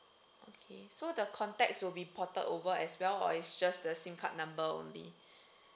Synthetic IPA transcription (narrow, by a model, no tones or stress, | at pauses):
ʔokʰesodəkʰɔ̃ntɛk̚swilbipʰɔtə̰dovəɛswɛlɔ̰isd͡ʒasdəsĩmkʰat̚nãmbəõ̰nlḭ